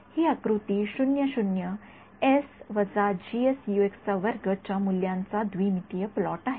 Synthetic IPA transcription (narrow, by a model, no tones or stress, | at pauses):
hiakɾut̪iʃunjəʃunjə | esʋɐd͡zad͡ʑiesjueksaʋəɾɡət͡ɕamuljãnt͡sad̪ʋimit̪ijəplɔːʈaːɦe